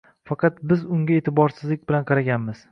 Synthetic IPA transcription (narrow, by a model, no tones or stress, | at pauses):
fɑqʰɑt̪bɪzʊŋɡʲae̞t̪ʰɪbɒɾsɪzlɪk̚ʲbɪlanqʰɑɾaɡʲanmɪz̥